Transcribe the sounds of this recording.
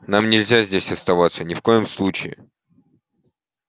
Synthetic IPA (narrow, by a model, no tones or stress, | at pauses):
namnʲɪlʲzʲazʲdʲesʲɐst̪ɐvat̪sənʲɪfko̞jɪmslˠut͡ɕɪɪ̰